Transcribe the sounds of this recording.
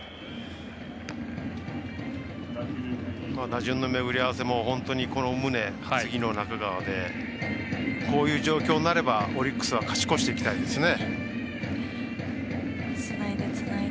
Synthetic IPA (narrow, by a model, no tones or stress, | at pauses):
maːd̪aʑɨ̃nːo̞me̞ɡɯ̟ɾʲiaβ̞ase̞mo̞hõ̞nt̪o̞ɲ̟iko̞no̞mɯ̟ne̞ | ɡʲino̞nakaɡaβad̪e̞ | ko̞ːjɯ̟ːʑo̞ːkʲo̞ːnːaɾe̞baoɾʲikːɯ̥sɨβ̞akḁɕi̥ko̞ɕi̥t̪e̞ikʲi̥t̪aid̪e̞sɨne̞